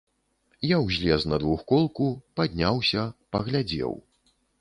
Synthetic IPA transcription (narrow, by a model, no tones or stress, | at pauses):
jawzʲlʲɛznɐd̪vuxkɔlˠkupad̪ʲnʲawsʲɐpɐɣlʲad͡zʲɛ̰w